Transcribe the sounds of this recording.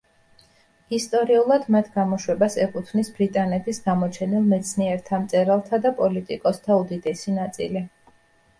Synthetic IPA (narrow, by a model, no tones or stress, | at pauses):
ist̪ʼɔɾiulˠad̪mat̪ʰɡamɔʃwɛbasɛkʼut̪ʰvnisbɾit̪ʼanɛt̪ʰisɡamɔt͡ʃʰɛnilˠmɛt̪sʰniɛɾt̪ʰamt̪sʼɛɾalˠt̪ʰad̪apʼɔlit̪ʼikʼɔst̪ʰaud̪id̪ɛsinat̪sʼḭli